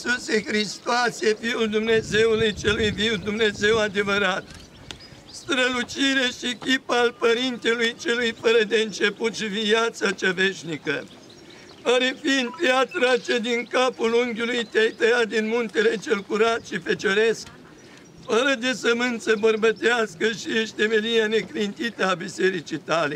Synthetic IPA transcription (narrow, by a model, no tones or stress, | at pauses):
susexɾist̪oasjefiuld̪umne̞ze̞wulujt͡ʃe̞lujviwd̪umne̞ze̞wad̪e̞vəɾat̪ | st̪ɾəlut͡ʃiɾe̞ʃiekʲipaalpəɾint̪elujt͡ʃe̞lujfəɾəd̪e̞ɨnt͡ʃe̞put̪ʃiviat̪sat͡ʃave̞ʃnikə | aɾefind̪pjat̪ɾat͡ʃed̪iŋkapuluŋɡʲulujt̪eajt̪əjat̪̚d̪inmunt̪e̞le̞t͡ʃe̞lkuɾat̪ʃifet͡ʃoɾesk̚ | fəɾəd̪e̞səmɨnt̪səbərbət̪easkəʃieʃt̪e̞melieane̞klint̪it̪əabise̞ɾit͡ʃijt̪ale̞